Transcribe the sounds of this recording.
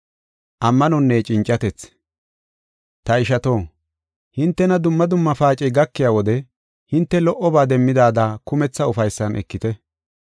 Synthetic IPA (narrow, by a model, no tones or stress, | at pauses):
ʔɐmːɐnɔnːet͡ʃʼɪnt͡ʃʼːɐt̪ɛt͡s | t̪ɐɪʃɐt̪o̞ː | hɪnt̪ːɛnɐd̪ʊmːɐd̪ʊmːɐfaːt͡ʃʼɛɡɐkːɪjaːwɔd̪ɛ | hɪnt̪ːɛlɔʔɔbaːd̪ɛmːɪd̪aːd̪aːkʊmɛt͡sːɐʊfɐjsːɐnʔɛ̰kːɪt̪ɛ